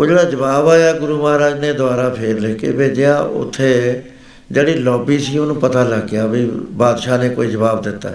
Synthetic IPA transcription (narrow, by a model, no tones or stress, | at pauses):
oːd͡ʒeːɽaːd͡ʒəbaːbaːjaːɡʊɾuːmaːɾaːd͡ʒneːd̪ʊaːɾaːpʰeːɾleːkḛːbeːd͡ʒɪjaːʔʊ̰t̪ʰːeː | d͡ʒeːɽiːlɔːbiːsiːoːnũːpət̪aːləɡjaːbibaːd̪ʃaːneːko̰ːiːd͡ʒəbaːbd̪ɪt̪ːa̰ː